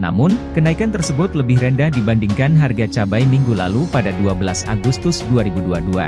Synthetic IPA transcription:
na̰mʊnkənaikant̪ərsəbʊt̪ləbɪhɾəndahdibandiŋkanɦarɡat͡ʃabajmiŋɡula̰lupadaduabəlasa̰ɡust̪ʊsduaɾibuduadua̰

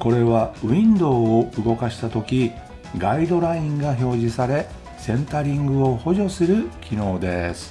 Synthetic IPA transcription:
ko̞ɾe̞βaĩnd̪o̞ːɯɡo̞kaɕi̥t̪at̪o̞kʲi | ɡaid̪o̞ɾaĩŋɡaço̞ːʑisaɾe̞ | sẽ̞nt̪aɾʲĩŋɡɯ̟oho̞ʑo̞sɨɾɯ̟kʲino̞ːd̪e̞sɨ̥

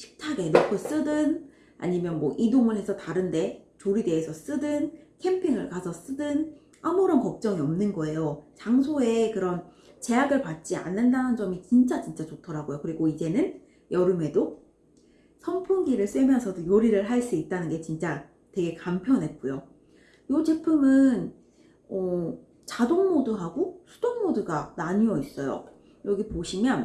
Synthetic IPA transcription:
ɕʰi̥k̚tʰaɡe̞nokʰos͈ɯdɯn | a̰ɲimjʌnmwʌʔidomune̞sʰʌtaɾɯnde̞t͡ɕoɾide̞ːsʰʌs͈ɯdɯnkʰe̞mpʰiŋɯɭkasʰʌs͈ɯdɯn | amuɾʌnkʌk̚t͡ɕ͈ʌŋiʌmnɯnɡʌe̞jot͡ɕaŋsʰoe̞kɯɾʌn | t͡ɕe̞jaɡɯɭpat̚t͡ɕ͈ia̰nːɯndanɯnd͡ʑʌmit͡ɕint͡ɕ͈at͡ɕint͡ɕ͈at͡ɕotʰʌɾaɡojokɯɾiɡoid͡ʑe̞nɯn | jʌɾɯme̞do | sʰʌmpʰuŋɡiɾɯɭs͈emjʌnsʰʌdojoɾiɾɯɭɦaɭs͈uit̚t͈anɯnɡe̞t͡ɕint͡ɕ͈a | twe̞ɡe̞kampʰjʌnɦek͈ujo | jot͡ɕepʰɯmɯn | ʌ | t͡ɕadoŋmoduɦaɡosʰud̥oŋmoduɡanaɲuʌis͈ʌjo̰ | jʌɡipoɕʰimjʌn

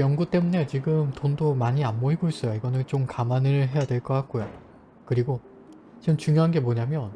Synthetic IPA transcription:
jʌnɡut͈e̞mune̞t͡ɕiɡɯmtondomaɲianboiɡois͈ʌjoiɡʌnɯnt͡ɕomkamanɯɭɦe̞jadweɭk͈ʌk͈ak̚k͈ojo | kɯɾiɡo | t͡ɕiɡɯmt͡ɕuŋjoɦanɡe̞moɲamjʌn

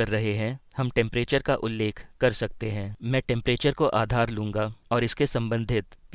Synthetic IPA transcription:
ɐɾːɐɦeɦɛ̃hɐmʈɛ̃ːmpɾeːt͡ʃəɾkaʔʊlːeːkʰkɐɾsɐk̚t̪eɦɛ̃ːmɛ̃ːʈɛ̃mpɾeːt͡ʃəɾkoʔaːd̪ʱaːɾlũːŋɡaɔːɾɪskesɐ̃mbə̃nd̪ʱɪt̪

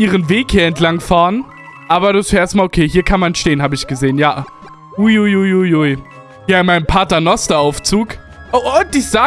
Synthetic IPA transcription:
ʔiːʁ̞ənveːkhiːɐɛntlaŋfaːɐən | ʔaːbɐɾuɪsɛeɛɐstmaːlokʰeːhiːɐkʰanmanʃteːənhaːbəɪçɡ̥əzeːənjaː | ʔuɪujujuju | jaːɪnmaɪnəmpʰaɐtɐnɔstɐaʊft͡suːk | ʔoʔod̥iːz̥aː

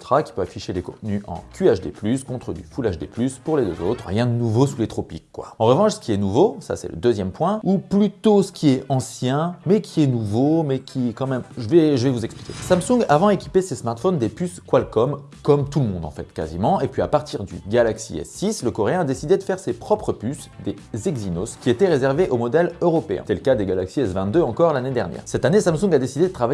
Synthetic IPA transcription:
t̪χakʲi̥pøvafiʃelekɔ̃t̪nyʔɑ̰̃kʰʲyaʃd̪ḛplyskɔ̃t̪χəd̪y̰fulaʒd̪ḛplyspuʁled̪øzo̰t̪χəʁjɛ̃d̪ənuvosulet̪χɔpḭkːwa̰ɑ̃ʁəvɑ̃ʃsə̥kʲiɛnuvosa̰sɛ̰lə̰d̪øzjɛmpwɛ̃uplyt̪osə̥kʲʰiɛɑ̃sjɛ̃mɛkʲʰiɛnuvomɛkʲʰikɑ̃mɛmʒəvɛʒəvɛvuzɛkspli̥kʲḛsamsũŋɡavɑ̃d̪ekʲipesesmaʁt̪fɔnd̪epyskwalkɔm | kɔmt̪ulmɔ̃d̪ɑ̰̃fɛ̰t̪ka̰zḭmɑ̃epɥia̰paʁt̪iʁd̪y̰ɡʲalaksḭɛ̰sːisləkɔʁeɛ̃ad̪esid̪ed̪əfɛʁsepχɔpχəpys | d̪e | zɛɡzino̰skʲiet̪ɛʁezɛʁveʔomɔd̪ɛløʁɔpeɛ̰̃t̪ɛləkad̪eɡalaksiɛsvɛ̃t̪̚d̪øɑ̃kɔʁlaned̪ɛʁnjɛ̰ːʁsɛt̪anesamsũŋɡad̪esid̪ed̪ət̪χava

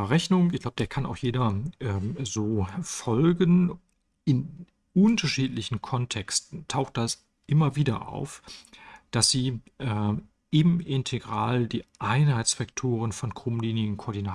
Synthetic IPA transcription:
ʁɛçnʊŋɪçɡ̥laʊbə̥deːɐkʰanʔa̰ʊxjeːdɐʔɛzoːfɔlɡən | ʔɪn | ʔʊntɐʃiːtlɪçn̩kʰɔntʰɛkstn̩tʰaʊxt̚d̥as | ʔɪmɐviːdɐʔa̰ʊf | d̥asz̥iːʔɛ | ɪmɪntʰeɡʁaːldiːʔaɪnhaɪt͡sfaktʰoːʁ̞ənfɔnkʁ̥ʊmliːnɪɡŋ̩kʰoɔːɐdinaː

